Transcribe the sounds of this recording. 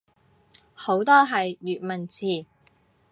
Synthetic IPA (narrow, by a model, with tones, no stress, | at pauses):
ho˨˥wt̪ɔː˥ɦɐ˨jːyː˨t̚mɐ˨˩nt͡siː˨˩